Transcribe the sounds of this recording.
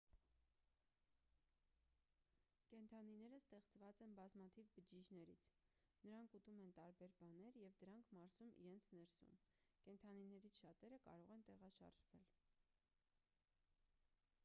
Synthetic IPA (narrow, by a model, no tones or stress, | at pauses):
kɛnt̪ʰɑninɛɾəst̪ɛχt͡svɑt͡sɛnbɑzmɑt̪ʰivbəd͡ʒid͡ʒnɛɾḭt͡sʰnəɾɑŋkʰut̪umɛnt̪ɑɾbɛɾbɑnɛɾjɛvd̪əɾɑŋkʰmɑɾz̥umḭɾɛnt͡sʰnɛɾsṵmkɛnt̪ʰɑninɛɾit͡sʰʃɑt̪ɛɾəkɑ̰ɾɔʁɛnt̪ɛʁɑʃɑ̰ɾʒvɛl